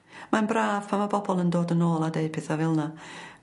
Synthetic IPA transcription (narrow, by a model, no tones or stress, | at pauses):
manbraːv̥pʰamabʰɔbɔlˠəndoːdənoːlˠadeɨpʰɪθavɪlˠna